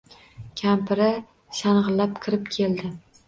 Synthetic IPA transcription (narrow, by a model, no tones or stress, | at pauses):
kʲʰampʰɪɾa | ʃanʁɨlːapkʲʰɪɾɪp̚kʲʰe̞ld̪ɪ